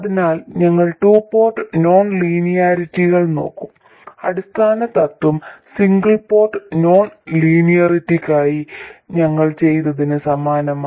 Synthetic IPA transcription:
ɐðinaːlɲɐŋːɐɭʈuːpːo̞ːrʈɨno̞ːnliːnijaːɾitːiɣɐɭno̞̰ːkːum | ɐɽist̪ʰaːnɐt̪ːɐt̪ːwumsiŋɡɐɭpoːrʈːɨno̞ːnliːnijɐritːikʲːaːjiɲɐŋːɐɭt͡ɕe̞jt̪ɐðinɨsɐmaːnɐma

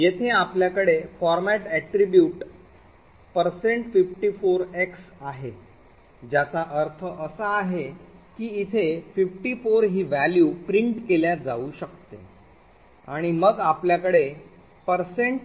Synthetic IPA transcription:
jet̪ʰeapljakəɽefɔɾmæʈæʈɾibjuːʈ | pəɾseɳʈfifʈifoɾeksaɦe | d͡ʑjat͡saʔəɾt̪ʰəʔəsaːɦekiːt̪ʰefifʈiːfoɾɦiːʋæljupɾiɳʈkeljad͡zauːɕək̚t̪ḛ | a̰ɽ̃iməɡapljakəɽe | pəɾseɳʈ

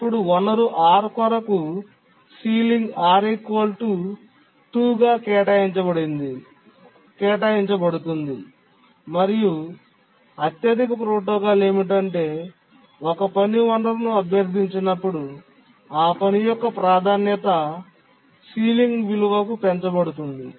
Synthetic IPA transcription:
pːuɽuɔnːɐɾuʔaːɾkɔɾɐku | siːliŋɡaːɾikoːlʈu | ʈuːɡaːkɛːʈaːjiɲt͡ʃɐbɐɽind̪i | kɛːʈaːjiɲt͡ʃɐbɐɽut̪und̪i | mɐɾiju | ɐt̪jɐːd̪ikɐpɾoːʈoːɡaːle̞ːmiʈ̬ɐɳʈe̞ː | ɔkɐpɐniʋɐnd̪ɐɾɐnuɐbʱjɐɾd̪ʱiɲt͡ʃinɐpːuɽu | aːpɐnijɔkːɐpɾaːd̪ʱaːnjɐt̪ɐ | siːliŋɡʋiluʋɐkupɛɲt͡ʃɐbɐɽut̪und̪i

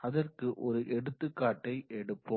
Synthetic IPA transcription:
ɐðɐrkɯʔɔɾɯʔɛɽɯt̪ːɯkːaːʈːɐɪʔɛɽɯpːɯ

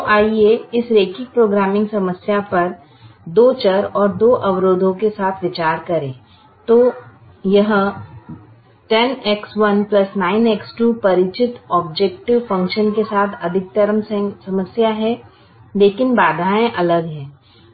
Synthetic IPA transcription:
ʔaːieɪsɾeːkɪk̚pɾoːɡɾaːmɪ̃ŋɡsɐməsjapɐɾ | d̪oːt͡ʃəɾɔːɾd̪oːʔɐʋɾoːd̪ʱõkesaːt̪ʰʋɪt͡ʃaːɾkɐɾẽː | t̪oː | jɐɦ | ʈɛnɛksʋɐnplɐsnaːɪnɛksʈuːpɐɾɪt͡ʃɪt̪ɔːbd͡ʒeːk̚ʈɪʋfɐ̃ŋkʃənkesaːt̪ʰɐd̪ʱɪk̚t̪ɐɾəmssɐməsjaɦɛ | leːkɪnbaːd̪ʱaːẽʔɐləɡɦɛ̃ː

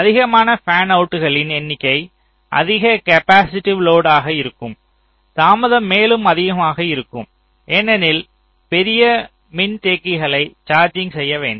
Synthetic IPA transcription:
ɐðɪɣɐmaːnɐfaːnɐʊʈːɯɣɐɭɪnɛnːɪkːɐɪ | ʔɐ̰ðɪɣɐkɐpaːsɪʈːɪʋloːɽaːɣɐɪɾɯkːɯm | t̪aːmɐðɐmːeːlɯmɐðɪɣɐmaːɣɐɪɾɯkːɯm | ʔɛːnːɛnɪl | pɛɾɪjɐ | mɪnt̪eːkːɪɣɐɭɐɪt͡ʃaːɾd͡ʒɪŋɡsɛjːɐʋḛːɳɖ

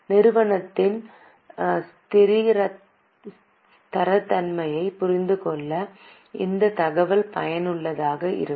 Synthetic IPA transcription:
nɪɾɯʋɐɳɐt̪ːɪn | t̪ɪɾiːɾɐ | t̪ɐɾɐt̪ːɐnmɐjɐɪpʊɾɪnd̪ɯkɔɭːɐ | ɪ̰nd̪ɐt̪ɐɣɐʋɐlpɐ̰jɐnɯɭːɐðaːɣɐʔɪ̰ɾɯ

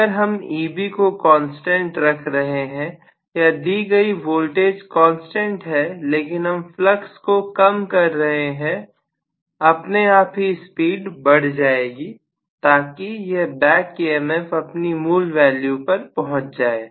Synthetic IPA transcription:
əɾɦɐmiːbikokɔ̃ːnsʈɛ̃ɳʈɾɐkʰɾɐɦeɦɛ̃ | jad̪iːɡɐiʋoːlʈeːd͡ʒkɔ̃ːnsʈɛ̃ɳʈɦɛleːkɪnɦɐmfləkskokɐmkɐɾːɐɦeɦɛ̃ | ɐpneaːpɦispiːɖbɐɽ̤d͡ʒaːeːɡi | t̪aːkijebɛːkiemɛfɐpnimuːlʋɛːljupɐɾpɐɦʊ̃t͡ʃd͡ʒaːeː

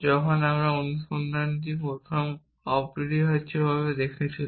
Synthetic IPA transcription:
d͡ʑɔkʰonamɾaonuʃond̪ʱant̪ipot̪ʰom | apiɾiɦatːɕʰebʱaβed̪ekʰet͡ɕʰil

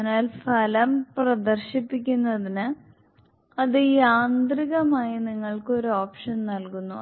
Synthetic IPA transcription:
naːlfɐlɐmprɐd̪ɐrɕipːik̬ʲːunːɐðinɨ | ɐðɨiːaːnd̪riɣɐmaːjiniŋːɐɭkɨo̞ɾuoːpʂɐnnɐlkunːu

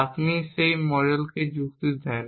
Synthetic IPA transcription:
apniʃejmɔɾelked͡ʑuɡt̪id̪ɛːn

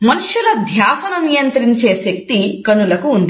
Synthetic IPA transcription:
mɐnuʂjulɐd̪ʱjaːsɐnɐnijɐnt̪ɾiɲt͡ʃeːʃɐk̚t̪ikɐnulɐkuːnd̪i

